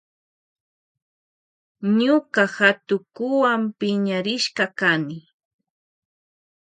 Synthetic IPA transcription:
ɲʊkahat̪ʊkʊwampɪɲaɾɪʃkɑkanɪ

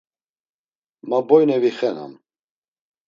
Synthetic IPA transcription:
mabɔjnɛviχɛna̰m

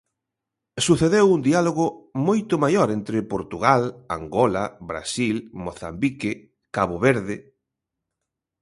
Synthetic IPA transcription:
suθeðewund̪ialoɣʊmojt̪ʊmajoɾent̪ɾɪpoɾt̪uɣalaŋɡɔlabɾa̰silmoθa̰mbikɪ | kaβoβeɾðɪ

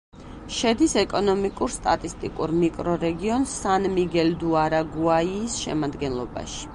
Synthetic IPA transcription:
ʃɛd̪isɛkʼɔnɔmikʼuɾst̪ʼa̰t̪ʼist̪ʼḭkʼuɾmikʼɾɔɾɛɡiɔnsanmiɡɛld̪uaɾaɡuaiːsʃɛ̰mad̪ɡɛnlˠɔba̰ʃi̥

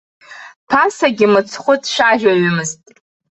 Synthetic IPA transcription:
tʰasaɡʲɪmɨt͡sʰχʷʊtʼʰʃaʒᶣaɥʊmɨztʼ

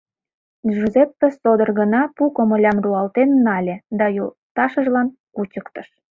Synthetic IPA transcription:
ʒuzepːesod̪ərɣənɑpukomə̆lʲɑmruɑlt̪enːɑlʲĕd̪ɑjol | t̪ɑʃəʒlɑnkut͡ɕəkt̪əʃ

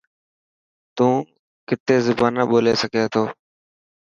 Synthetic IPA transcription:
t̪ũː | kɪt̪eːzʊbaːnəɓoːleːsəkeːt̪ʰoː

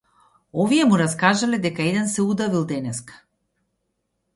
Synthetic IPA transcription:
ɔvijɛmuɾaskaʒalɛd̪ɛkaɛd̪ɛnsɛud̪avilˠd̪ɛnɛskḁ

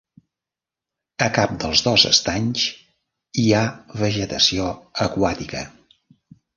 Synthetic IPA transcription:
əkap̚d̪əlˠzðɔzə̰st̪aɲs | iaβəʒət̪əsioəkwat̪ikə

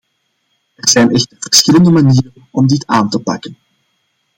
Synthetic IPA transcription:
ɛrzɛjnʔɛxtərvərsxɪləndəmaniːrənɔmdɪta̰ːntəpɑ̰kən

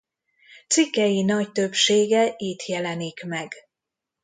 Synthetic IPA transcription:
t̪sikːɛjinɒct̪ø̞bʃeːɡɛʔiːt̪ʰjɛlɛnikmɛɡ

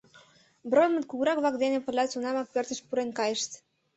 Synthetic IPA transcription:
bɾojmə̆t̪kuɣɾɑkblɑkd̪enepə̆lʲɑt̪t͡sunɑmɑk̚pørt̪ə̆ʃpuɾenkɑjə̆ʃt̪

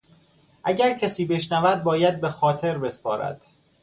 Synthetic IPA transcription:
ʔæɟæɾcʰæsiːbe̞ʃnævæd̪̚bɒːjæd̪̚be̞xɒːt̪ʰe̞ɾbe̞spɒːɾæ̰d̪̥

